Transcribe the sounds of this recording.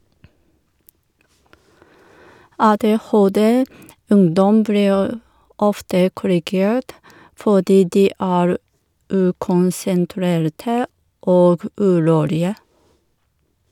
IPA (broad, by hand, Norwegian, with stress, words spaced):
ˌɑːˌdeːˈhoːˌdɛ ˈʉŋdɔm ˈbliːɹ ˈɔftə kʊɾɪˈɡeːɹt ˈfoːdiː ˈdiː ˈʔæːɹ ˈʔʉːkʊnsənˌtɾeːɾtə ˈʔoːɡ ˈʔʉːˌɾuːlɪə